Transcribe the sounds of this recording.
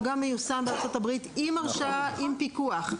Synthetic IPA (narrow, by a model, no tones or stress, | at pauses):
ɡamːejusanbeaʁt͡so̞tabʁit̪imaʁʃaaʔimpikuaχ